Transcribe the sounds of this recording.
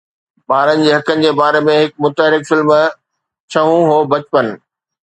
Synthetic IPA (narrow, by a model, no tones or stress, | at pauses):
ɓaːɾənɪ̆d͡ʑeːɦɐkənɪ̆d͡ʑeːbaːɾemẽɦɪk̚mʊt̪əɦɾɪkfɪlm | t͡ɕʰɐɦũɦoːbɐt͡ɕpənɪ̆